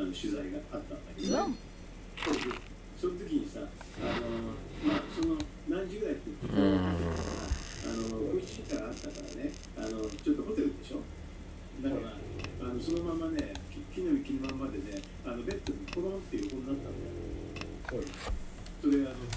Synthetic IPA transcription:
ano̞ɕɨzaiɡaat̪ːãnd̪ake̞d̪o | sod̪e | so̞not̪̬o̞kʲiɲ̟isa̰ | ano̞maso̞no | nãɲ̟d͡ʑiɡɯ̟ɾait̪ːet̪ːikooat̪ːea̰a̰a̰no̞koit͡ɕiikãɰ̃at̪ːakaɾa̰ne̞ | a̰no̞t͡ɕo̞t̪ːomo̞t̪eɾɯ̟d̪e̞ɕo̰ | d̪akaɾaː | no̞so̞no̞mamːane̞kʲikʲinːomʲikʲinimamːad̪e̞ne̞ | ano̞be̞t̪ːomikoɾõnt̪ːe̞jɯ̟ːhõnːat̪ːãnd̪ | so̞ɾe̞aːno

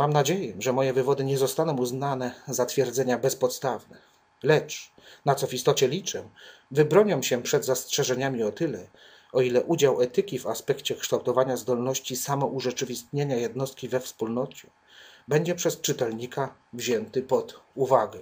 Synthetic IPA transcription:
mamnad͡ʑejɛʐɛmɔjɛvɘvɔd̪ɘɲɛzɔst̪anɔ̃w̃uznanɛzat̪fʲjɛɾd̪zɛɲabɛspɔt̪st̪avnɛ | lɛt͡ʂ | nat̪sɔvist̪ɔt͡ɕɛlʲit͡ʂɛ | vɘbɾɔɲɔ̃w̃ɕɛpʂɛd̪zastʂɛʐɛɲamʲiɔt̪ɘlɛ | ɔilɛʔud͡ʑawɛt̪ɘkʲivaspɛkt͡ɕɛkʂt̪awt̪ɔvaɲazd̪ɔlnɔɕt͡ɕisamɔʔuʐɛt͡ʂɘvʲist̪ɲeɲajɛd̪nɔst̪̚kʲivɛfspulnɔt͡ɕɛ | bɛɲd͡ʑɛpʂɛst͡ʂɘt̪ɛlɲika | vʑɛnt̪ɘpɔt̪uvaɡɛ

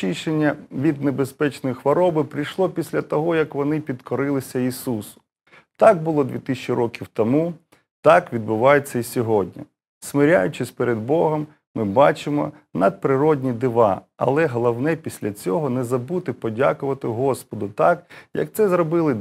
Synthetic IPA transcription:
iʃenʲːɐʋʲid̪̚nebespɛt͡ʃnɔjixʋɔɾɔbɪpɾɪjʃlˠɔpʲisʲlʲɐt̪ɔɦɔjɐkʋɔnɪpʲid̪kɔɾɪlˠɪsʲɐisusʊ̥ | t̪ɑɡ̚bʊlˠɔd̪ʲʋʲit̪ɪisʲt͡ʃiɾʔɔkʲiwt̪ɔmu | t̪ɑkʋʲid̪̚bʊʋɑjet͡sʲːɐisʲɔɦɔdʲnʲɐ̰ | smɪɾʲa̰jʊt͡ʃɪsʲpeɾed̪bɔɦɔmː | ɪbɑt͡ʃɪmɔ̰ | nɐd̪̚pɾɪɾɔdʲnʲid̪ɪʋɑɐ̰lˠɛɦɔlˠɐwnɛpʲisʲlʲɐt͡sʲɔɦɔnɛzɐbut̪ɪpɔdʲa̰kʊʋɐt̪ɪɦɔspɔd̪ʊt̪ɑkjɐ̰k̚t̪sɛzɾɔbɪlˠɪ

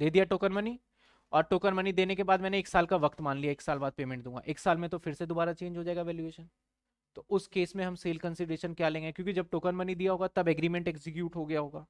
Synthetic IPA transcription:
d̪eːd̪ijaʈoːkənmɐni | ɔːɾʈoːkənmɐnid̪eːnekebaːd̪̚mɛ̃ːneeːksaːlkaʋɐkt̪maːnlijaeːksaːlbaːd̪̚peːmɛ̃ɳʈd̪ũːŋɡa̰ʔeːksaːlmẽt̪ofɪɾsed̪oːbaːɾat͡ʃẽːɲd͡ʒɦod͡ʒaeːɡaʋɛːljueːʃən | t̪oʔʊskeːsmẽɦɐmseːlkə̃nsɪɖɾeːʃənkjaːlẽːŋɡekjõːkid͡ʒɐb̚ʈoːkənmɐnid̪ijaɦoːɡat̪ɐbɛɡɾiːmɛ̃ɳʈɛːkzɪkjuːʈɦoɡɐjaɦoːɡaː

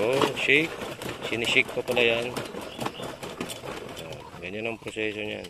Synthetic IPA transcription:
oʃɪk̚sɪnɪsɪk̚popɐlajan | ʔo̰ | ɡɐɲanɐŋpɾosɛːsoɲa̰n

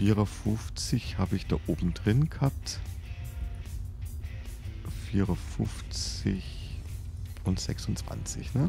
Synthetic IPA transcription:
fiːʁɐfʊft͡sɪçhaːbəɪçd̥a̰ːʔoːbm̩d̥ʁɪnɡ̥hap̚t | fiːʁɐfʊft͡sɪç | ʊntz̥ɛ̰ksʊnt͡sv̥a̰nt͡sɪ̰çnə

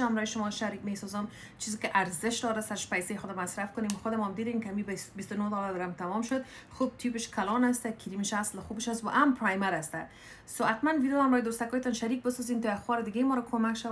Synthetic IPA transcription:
amɾɔjeʃʊmɔʃaɾikmesɔzɔm | t͡ʃʰizɪkɪʔaɾzɪʃd̪ɔɾasaɾɪʃpajsejxʊd̪ɔmasɾafkʊnemxʊd̪ɪmɔamd̪id̪emkamibbist̪ʊnod̪ɔlad̪ɾamt̪amɔmʃʊd̪ | xub̚t̪ʰibɪʃkʰalɔnast̪akʰiɾimɪʃaslɪxubɪʃast̪wa̰ʔampɾajmaɾast̪a | soat̪manvid̪joamɾɔjd̪ost̪akɔjt̪ɔnʃaɾik̚bɪsɔzint̪oaxwɔɾɪd̪ɪɡemɔɾakʰomakʃa

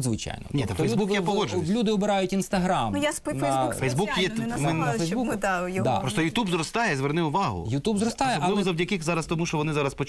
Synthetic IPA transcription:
zʋɪt͡ʃa̰jnɔ̰nʲit̪ɐfɛjʲzbukjɛpɔɔd͡ʒʲlʲud̪ɪɔbɪɾɑjʊtʲinst̪ɐɦɾamnʊjaspnfɐfɛjzbukjɛmɛnɐfɛjzbud̪ajd̪a̰pɾɔst̪ɔjʊt̪ubzɾɔst̪ɑjɛzʋɛrnɪʊʋɑɦʊ̰jʊt̪ubzɾɔst̪ɑjɛbɐlˠɪbˠɔzɐwdʲɐkɪxzɑɾɐst̪ɔmuʃt͡ʃɔʋɔnɪzɑɾɐspɔt͡ʃ

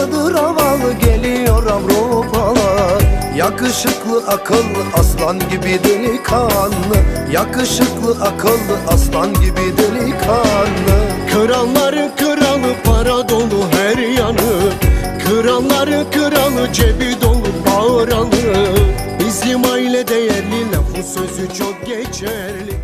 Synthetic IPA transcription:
d̪ɯɾavalˠɯɟelʲijoɾamɾopʰalˠajakɯʃɯklˠɯʔakʰɯlˠːɯʔaslˠanɟibid̪ilɪkʰanːɯ | jakɯʃɯklˠɯʔakʰɯlˠːɯʔaslˠanɟʲibid̪ilikʰanːɯ | kʰɯɾalˠːaɾɯnkʰɯɾalˠɯpʰaɾad̪o̞lˠuɦæɾjanɯ | kʰɯɾalˠlˠaɾɯnkʰɯɾalˠɯd͡ʒebid̪olˠubaɾalˠɯ | izd̪imailʲɛd̪ejæɾlʲilʲɛbusø̞zyt͡ʃʰok̚ɟet͡ʃʰæ | ɾlʲi

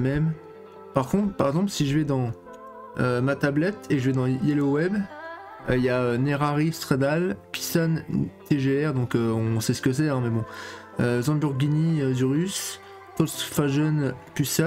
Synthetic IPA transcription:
mɛm | paʁkɔ̃t̪χpaʁɛɡzɑ̃plsiʒəvɛd̪ɑ̃ | ømat̪ablɛt̪eʒəvɛd̪ɑ̃jelowɛb | øijaøneʁaʁist̪χed̪alpi̥sant̪eʒeɛʁd̪ɔ̃køɔ̃sɛsə̥kəs̬ɛɛ̃mɛbɔ̃ | øzɑ̃byʁɡʲiniød̪yʁys | tɔlsfaʒɔnpysa

